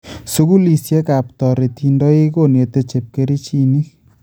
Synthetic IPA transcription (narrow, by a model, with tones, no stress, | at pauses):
su˦ku˦li˨sjɛ˦ka˨p̚tɔ˨ɾe˨t̪ʰi˨˦ndɔ˦e˦ko˦˨ne˨t̪e˦t͡ʃe˨p̚ke˦ɾi˦t͡ʃi˦ni˦